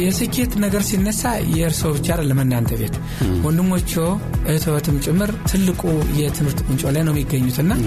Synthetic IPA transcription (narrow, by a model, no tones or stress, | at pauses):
jɛsɨkʰe̞t̪nəɡəɾsinːəsːajɛɨɾsoβɨt͡ʃaɾləmənd̪ant̪ʰəβe̞t̪ | wɔnd̪ɨmːot͡ʃːow | ʔɨt̪ʰot̪ʰɨmt͡ʃʼɪmːɨɾt̪ʰɨlːɨkʼujɛt̪ʰɨmɨɾt̪ɨnt͡ʃʼo̞lajnəwmːiɡːəɲːut̪ʰɨnːa